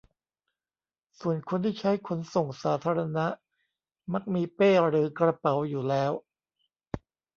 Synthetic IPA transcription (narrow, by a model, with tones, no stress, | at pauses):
su˨˩ənkʰo˧nt̪ʰiː˥˩t͡ɕʰa˦˥jkʰo˧nso˨˩ŋsaː˩˦t̪ʰaː˧ɾa˧na˦˥ʔ | ma˦˥k̚miː˧peː˥˩ɾɯː˩˦kɾa˧pa˩˦wjuː˨˩lɛː˦˥w